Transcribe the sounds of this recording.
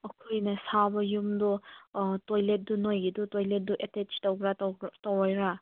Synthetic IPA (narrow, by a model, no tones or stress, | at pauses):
ɔkʰujnasabɐjumdɔtojlet̚dunojɡidutojlet̚duʔetet͡ʃtawɾattawajɾa